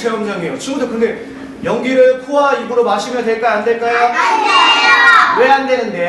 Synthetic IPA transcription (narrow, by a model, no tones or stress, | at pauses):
sʰeʌmd͡ʑaŋejot͡ɕʰɯmudokɯŋde̞ | jʌŋɡiɾɯɭpʰoɦaiɡɯɾomaɕʰimjʌdwe̞ɭk͈aande̞ɭk͈ajo | we̞ande̞nɯnde̞